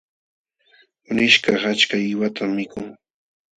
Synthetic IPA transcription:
ʊnɪʃkɑχat͡ʃkaɪwat̪ʰamːɪkʊʊŋ

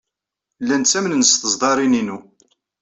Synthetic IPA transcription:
lːænt͡sːæmənnəsθəzd̪ˤɑɾˤininu

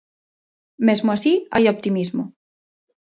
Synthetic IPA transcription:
mezmoasiajop̚t̪imizmo

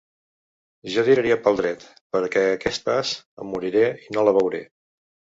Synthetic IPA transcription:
ʒaðiɾəɾiəpəlˠd̪ɾɛt̪ | pəɾkɛəkɛst̪əsə̰muɾiɾeinoləβəwɾe

